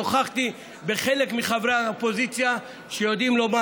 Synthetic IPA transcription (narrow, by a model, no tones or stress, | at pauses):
oχaχt̪i | beχe̞lekmiχavʁeaopo̞zit͡sja | ʃejod̪imlo̞ma